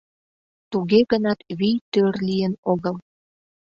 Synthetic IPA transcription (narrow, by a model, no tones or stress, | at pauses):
t̪uɣeɣənɑt̪βijt̪ørlijənoɣəl